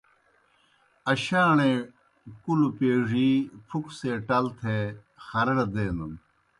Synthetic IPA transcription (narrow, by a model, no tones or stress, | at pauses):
ɐɕaːɳe | kulupeːʐiːpʰukseːʈɐlt̪ʰe | xɐɾɐɽɐd̪eːnɐm